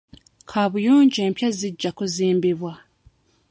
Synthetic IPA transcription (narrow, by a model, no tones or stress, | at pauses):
kʰaβujoːɲɟeːmpjaziɟːakoziːmbiβwa